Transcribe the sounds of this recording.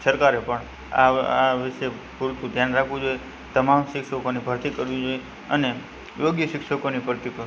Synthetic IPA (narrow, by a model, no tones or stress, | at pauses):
səɾkaɾepəɳ | a̰aʋɪʃe | puɾt̪ũd̪ʱjanɾakʰʋũd͡ʒoje | t̪əmamʃɪkʃəkonibʱəɾt̪ikəɾʋĩd͡ʒoje | əne | joɡjəʃɪkʃəkonibʱəɾt̪ikəɾ